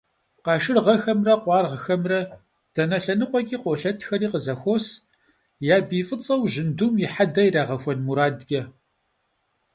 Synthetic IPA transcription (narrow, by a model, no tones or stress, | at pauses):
qɑːʃɪrʁɐxɐmrɐqʷɑːrʁxɐmrɐ | d̥ɐnɐɬɐnɨqʷʼɔkʲʼiːqʷoːɬɐtʰxɐɾiːqəzɐxʷoːs | jaːbiːfʼɨt͡sʼɐwʑɪndumjɪħadɐjɾaːʁɐxʷɔnmuɾaːdɡʲɐ